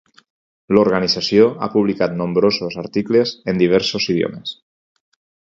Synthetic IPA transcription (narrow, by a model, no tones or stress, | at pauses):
loɾɣənizasjoa̰puβlikat̪nõmbɾozozaɾt̪iklezend̪iβ̞ɛɾsoziðjo̰mes